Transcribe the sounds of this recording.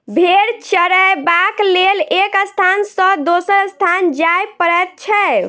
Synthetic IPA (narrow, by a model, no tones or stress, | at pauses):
bʱeɾt͡ʃəɾɛjbaklelekəst̪ʰansə̃d̪osəɾəst̪ʰand͡ʒajpəɾɛt̪̚t͡ʃʰɛ